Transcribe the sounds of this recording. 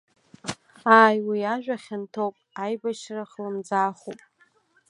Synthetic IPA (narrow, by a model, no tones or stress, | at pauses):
aːjwiaʒᶣʷaχʲɪntʰowpʼajbaʃraχlɨmd͡zaːχupʼ